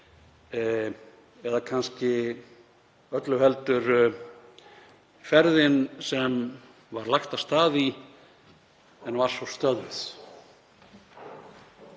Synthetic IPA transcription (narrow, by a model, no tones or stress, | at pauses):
ɛðakʰanscɪ | œt̪lʏhɛlt̪ʏɾ | fɛɾðɪnsɛm | vaɾlajhxt̪avst̪aːði | ɛnvaɾ̥svɔst̪œðvɪθ